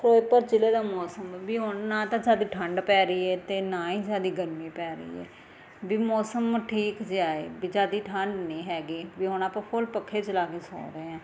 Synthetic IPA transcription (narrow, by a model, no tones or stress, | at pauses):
pʰɾoːpəɾt͡ʃɪleːd̪aːmɔːsəmbiːɦʊnnãːt̪ãːd͡ʒaːd̪iːʈʰəɳɖpɛːɾəiːɛːt̪eːnãːĩːd͡ʒaːd̪iːɡəɾmĩːpɛːɾəḭːɛ̰ː | biːmɔːsəmʈʰiːkd͡ʒaːeːbiːd͡ʒaːd̪iːʈʰəɳɖnĩːɦɛːɡiːbiːɦʊnaːpãːpʰʊlpəkʰːeːt͡ʃəlaːkeːsɔ̰ːɾeːãː